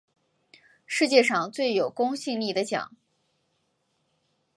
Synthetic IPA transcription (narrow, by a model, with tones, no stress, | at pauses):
ʂɻ̩˥˧t͡ɕjɛ˥˧ʂɑ˥˧ŋt͡swe˥˩ɪjo˨˩ʊkʊ˥ŋɕi˥˧ŋli˥˩d̪ə˦t͡ɕjɑ̰˨˩˦ŋ